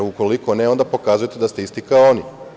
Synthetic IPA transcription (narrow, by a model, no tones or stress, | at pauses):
uko̞liko̞neo̞nd̪apo̞kazujet̪ed̪ast̪eist̪ikaoni